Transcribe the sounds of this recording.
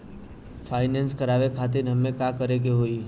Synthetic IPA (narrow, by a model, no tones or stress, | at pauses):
fʰaːɪnenskəɾaːʋekʰaːt̪̬ɪɾɦəmːẽkakəɾekeɦoːi